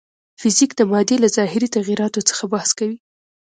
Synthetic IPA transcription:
fɪzikd̪əmɑd̪elazɑhɪɾit̪aɣiɾɑt̪ot͡sə̥xabahskawi

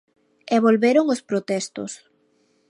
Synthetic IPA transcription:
ɛβolβeɾoŋospɾot̪ɛst̪o̰s

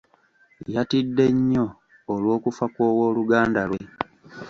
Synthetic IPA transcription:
jatidːe̞ɲːo̞ː | lwo̞ːkufakwo̞ːwo̞ːluɡaːndalwe̞

